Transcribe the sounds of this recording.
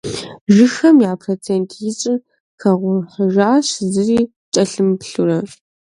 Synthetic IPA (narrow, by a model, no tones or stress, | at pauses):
ʒɨxɐmjaːpʰrot͡sʰeːntʰjɪɕʼɪ | xʰɐʁʷʊħəʒaːɕzɨriː | t͡ʃʼɐɬɨmpɬurɐ